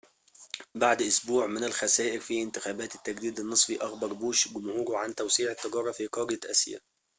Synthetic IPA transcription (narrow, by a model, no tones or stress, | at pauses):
baʕd̪ʔʊsbuːʕmɪnɪlxæsæːʔɪɾfiːʔɪnt̪ɪxæːbæːt̪ɪ̥t̪ːæɡd̪iːd̪ɪnːɨsˤfiʔɑxbɑɾˤbuːʃɡʊmhuːɾʕant̪æwsiːʕɪt̪ːɑɡɑːɾˤːɑfiːqɑːɾɪj̪ʔæ̰sjæ̰